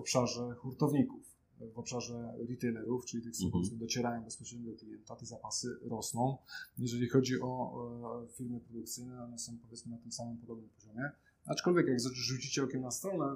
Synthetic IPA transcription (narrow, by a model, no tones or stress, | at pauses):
ɔpʂaʐɛxuɾt̪ɔvɲikuf | vɔpʂaʐɛɾʲit̪ɛjlɛɾuft͡ʂɘlʲit̪ɨxsukut̪sɛd̪ɔt͡ɕɛɾajɔ̃w̃bɛspɔɕɾɛmbɛk̪lʲijɛnt̪at̪ɛzapasɘɾɔsnɔ̃w̃jɛʐɛlʲixɔd͡ʑiʔɔ | fʲiɾmɘpɾɔd̪ukt̪sɘjnɛɔnɛsɔ̃w̃pɔvʲjɛt̪smɘnat̪ɘmsamɨmpɔd̪ɔbnɘmpɔʑɔmʲjɛ | at͡ʂkɔlvʲjɛkjaɡzaʐut͡ɕit͡ɕɛɔkʲɛmnast̪ɾɔnɛ